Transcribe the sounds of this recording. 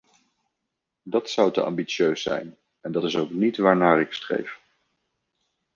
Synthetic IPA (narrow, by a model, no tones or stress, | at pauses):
dɑtsʌwtə̰ɑ̰mbit͡ʃjøɥsɛ̰jn | ɛndɑtɪsowknitʋaːɹnaːrɪkstrḛjf